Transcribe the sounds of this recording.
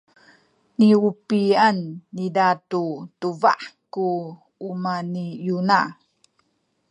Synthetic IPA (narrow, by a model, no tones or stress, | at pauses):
niupianːidatutuva̰ʔkuː | manijuna